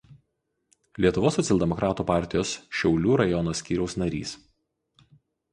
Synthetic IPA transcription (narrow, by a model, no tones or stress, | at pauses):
lʲiɛt̪ʊʋoːsːɔt̪sʲɛlʲˠd̪ʲɛmɔkɾʔɑːt̪uːpɑˑɾʲt̪ʲɪjoːsʃʲɛʊlʲuːɾɐjɔnoːsʲkʲiːɾʲɛʊsnɐɾʲḭːs